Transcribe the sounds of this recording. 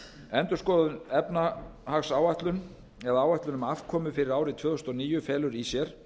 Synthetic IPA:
ɛnt̪ʏ̥skɔːððʏnɛpnahaxsaːwaht̪lʏn | ɛðaaːwaht̪lʏnʏmafkʰɔːmʏfɪɾɪɾaːwɾɪt̪ʰvœːðʏst̪ɔniːjʏfɛːlʏɾisjɛɾ̥

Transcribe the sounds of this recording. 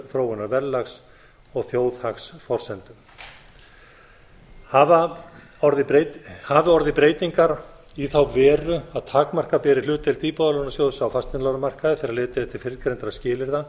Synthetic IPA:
θɾowʏnaɾvɛɾlaxs | ɔɣθjoːwðhaxsfɔr̥sɛnt̪ʏm | hava | ɔɾðɪhavɪɔɾðɪpɾeːjt̪iŋkaɾ | iθawvɛːɾʏaðt̪ʰaːkmar̥kapɛːɾɪlʏːt̪ɪlt̪iːpɔðalɔnasjoːwðʏsawfast̪ɪnlaɾamar̥kaðɪfɪɾɪɾaðlɪːt̪ɪθɛht̪ɪɾ̥fɪɾkɾejnt̪ɾascɪːlɪɾða

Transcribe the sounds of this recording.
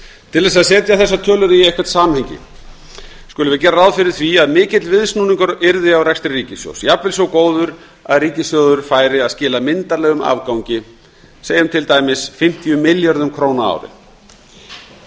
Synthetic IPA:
t̪ʰɪlðɛs̬aðsɛːt̪jaθɛs̬ːat̪ʰœːlʏɾɪiɛjhkvɛɾt̪saːmamhɛɲcɪ̰ | skʏlʏvɪðc̬ɛːɾaawðfɪɾɪðθviaðmɪːcɪt̪lvɪðsnuːniŋkʏɾɪɾðɪawrɛkst̪ɾɪriːcɪsjo̰wsjapvɪlsjowkoːwðʏɾ | aðriːcɪsjoðʏɾ̥faːjɾɪaðscɪːlamɪnt̪aɾlɛːɣʏma̰vkawɲcɪ | seːjʏmt̪ʰɪlt̪aːjmɪsfɪm̥t̪ijʏmɪljaɾðʏmkʰɾoːwnaa̰wɾɪ̰

